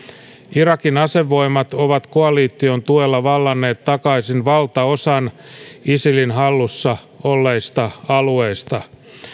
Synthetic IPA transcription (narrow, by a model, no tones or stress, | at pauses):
iɾɑkinɑse̞ʋːo̞imːɑt̪o̞ʋɑt̪koɑliːt̪ːio̞nt̪uelːɑʋɑlːɑnːe̞ːt̪ːɑkɑisinʋɑlt̪ɑo̞sɑn | isilinɦɑlːusːɑ | olːeist̪ɑɑlue̞ist̪ɑ